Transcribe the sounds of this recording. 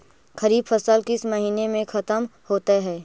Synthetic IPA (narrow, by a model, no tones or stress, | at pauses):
kɐɾiːbfɐsəlkɪsmɐɦiːnemẽxɐt̪əmhoːt̪eɦɛː